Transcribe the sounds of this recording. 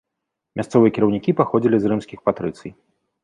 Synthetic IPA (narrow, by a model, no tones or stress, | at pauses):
mʲʔast̪sɔvɨjɛkʲiɾɐwnʲikʲipaxɔd͡zʲilʲizrɨmsʲkʲixpat̪ɾɨt̪sɨj